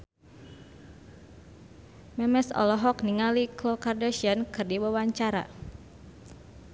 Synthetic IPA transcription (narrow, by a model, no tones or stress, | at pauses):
mɛmɛsɔ̰lɔɦɔkniŋaliklɔkardaʃiankɨrdiwawaɲt͡ʃaɾa̰